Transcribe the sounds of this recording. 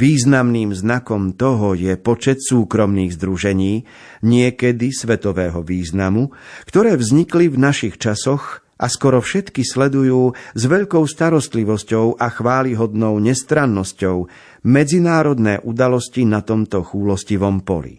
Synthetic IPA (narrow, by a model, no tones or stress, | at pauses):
ʋiːznamniːmznakɔmt̪ɔɦɔjɛpɔt͡ʃɛt̪suːkɾɔmniːɣzd̪ɾuʒɛɲiː | ɲɪɛkɛd̪isʋɛt̪ɔʋɛːɦɔʋiːznamukt̪ɔɾɛːvzɲiklivnaʃixt͡ʃasɔx | ʔaskɔɾɔfʃɛt̪kislɛd̪ujuːzʋɛʎkɔʊst̪aɾɔst̪liʋɔscɔʊʔaxʋaːliɦɔd̪nɔʊɲɛst̪ɾanːɔscɔʊ | mɛd͡zinaːɾɔd̪nɛːʔud̪alɔscinat̪ɔmt̪ɔxuːlɔsciʋɔmpɔ̰lḭ